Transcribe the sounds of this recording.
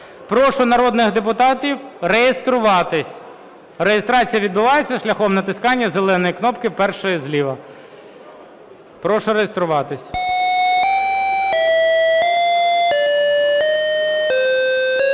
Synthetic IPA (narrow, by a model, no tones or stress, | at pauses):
pɾɔʃʊnɐɾɔd̪nɪxd̪epʊt̪ɑtʲiwrejest̪ɾʊʋɑt̪ɪsʲ | rejest̪ɾɑt͡sʲijɐʋʲid̪̚bʊʋɑjet͡sʲːɐʃlʲɐxɔmnɐt̪ɪskɑnʲːɐzelˠɛnɔjiknɔpkɪpɛrʃɔjizlʲiʋɐ | pɾɔʃɔɾejest̪ɾʊʋɑt̪ɪsʲ